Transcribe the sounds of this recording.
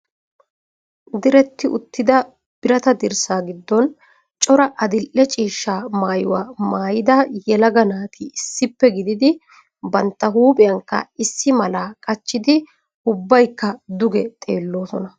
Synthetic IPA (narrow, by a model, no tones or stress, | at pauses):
d̪ɪɾɛt̪ːɪʔʊt̪ːɪd̪ɐ | b̥ɪɾɐt̪ɐd̪ɪɾsaːɡɪd̪ːɔn | t͡ʃʼɔɾɐʔɐd̪ɪlʔːɛt͡ʃʼiːʃːaːmaːjʊwaːmaːjɪd̪ɐjɛlɐɡɐnaːt̪ʰɪːsːɪpːɛɡɪd̪ɪd̪ɪ | bɐnt̪ːɐɦuːpʼɪjɐŋkːɐ̰ɪsːɪmɐlaːkʼɐt͡ʃːɪd̪ɪ | ʊbːɐjkːɐd̪ʊɡɛt̪ʼeːlːo̞ːsɔnɐ